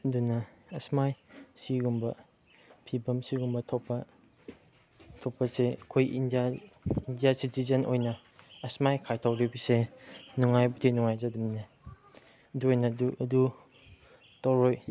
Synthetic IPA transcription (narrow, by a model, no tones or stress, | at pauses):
ɐdunɐɐsmajsiɡumbɐ̰ | pʰibɐmsiɡumbɐtʰopːɐ | tʰopɐseɐkʰojḭndiaindijasitizɐnʔo̰jnɐ | ɐsmajkʰajtʰawɾibisenuŋajbutʰinuŋajzadimne | ɐduojnɐduɐdu | tawɾoj